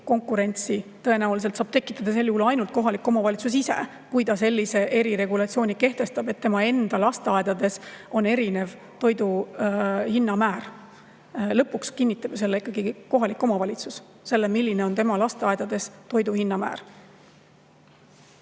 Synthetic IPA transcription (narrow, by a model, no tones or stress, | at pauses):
ko̞ŋkːˑuɾe̞nʲt̪sit̪ɤe̞næulis̬e̞lt̪sɑːb̥t̪e̞kːˑi̥t̪ːˑɑd̪ɑse̞lːjuhulɑjnult̪̚ko̞ɦɑlik̪kːˑo̞mɑvɑlʲit̪sus̬ise̞̰ | kujd̪̥ɑse̞lʲːise̞ʔe̞ɾiɾe̞ɡulɑt̪sio̞ːnʲike̞ht̪e̞st̪ɑb̥e̞t̪ːe̞mɑe̞nd̪̥ɑlɑst̪eɑed̪̥ɑd̪e̞so̞ne̞ɾine̞v | t̪o̞jd̪u | hinːɑmæːɾ | lɤpːˑukskinʲːit̪ːˑɑb̥jɑs̬e̞lːeikːˑɑɡiko̞ɦɑlikːˑo̞mɑvɑlʲit̪sus | se̞lːemilʲːine̞o̞nt̪emɑlɑst̪eɑed̪̥ɑd̪e̞st̪o̞jd̪uhinːɑmæ̰ːɾ